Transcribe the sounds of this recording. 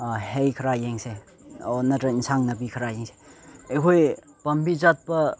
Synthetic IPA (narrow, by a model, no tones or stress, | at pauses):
hejkʰɐɾajeŋse | onɐtɐinsaŋnɐbikʰəɾajeŋse̥ekʰoj | pɐmbizat̪̚pɐ